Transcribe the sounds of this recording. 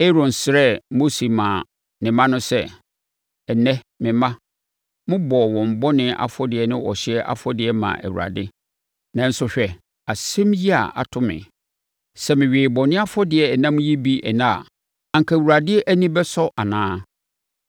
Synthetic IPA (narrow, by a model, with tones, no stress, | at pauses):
e˦ɾɔ̃˨n˨sɾɛ˦mo˦si˨mãː˨ | nɪ̃˨mã˦nʊ̃˦sɛ˦ | ɛ˨nɛ̃˦ | mɪ̃˨mã˦ | mʊ̃˦bɔ˨wɔ̃˨m̩˨bɔ˦nɪ̃˦ʔa̰˨fɔ˦dɪ˨ɛ˦nɪ̃˦ɔ̰˨ɕɪ˦ɛ˦ʔa̰˨fɔ˦dɪ˨ɛ˦mã̰˨ʔæ̰˨wu˨ɾa̰˨dɪ˦ | nã˨n̩˦sʊ˦ɕᶣɛ˨ | a˨sɛ̃˦mji˦a̰˨ʔa̰˨tʰʊ˦mɪ̰̃˨ | sɛ˦mɪ̃˨ɥeː˨bɔ˨nɪ̃˦a˦fɔ˦dɪ˨ɛ˨nã˦m̃˦ji˦bi˦ʔɛ̰˨nã̰˦˨ | a˨ŋkʰa˨wu˨ɾa˨dɪ˦ɛ˦ʔæ˦nĩ˦bɛ˦sɔ˦ʔa˨nãː˦